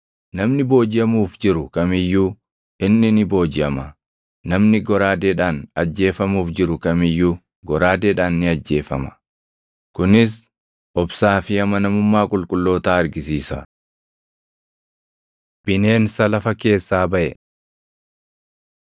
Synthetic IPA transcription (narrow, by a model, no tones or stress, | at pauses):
nɐmnɪbo̞ːd͡ʒɪjɐmuːfd͡ʒɪɾʊkɐmɪjːuː | ɪnːɪnɪbo̞ːd͡ʒɪɐmɐ | nɐmnɪɡɔɾaːd̪eːᶑaːnɐd͡ʒːe̞ːfɐmuːfd͡ʒɪɾʊkɐmɪjːuː | ɡɔɾaːd̪eːᶑaːnːɪɐd͡ʒːe̞ːfɐ̰mɐ̥ | kʊnɪs | ʔɔbsaːfɪɐmɐnɐmʊmːaːkʼʊlkʼʊlːo̞ːt̪aːɐɾɡɪsiːsɐ | b̥ɪneːnsɐlɐfɐke̞ːsːaːbɐʔɛ